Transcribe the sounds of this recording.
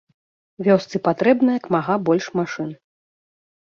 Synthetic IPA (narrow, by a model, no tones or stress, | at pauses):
vʲɔst̪sɨpat̪ɾɛbnɐjɐkmaɣabɔlʲʂmaʂɨn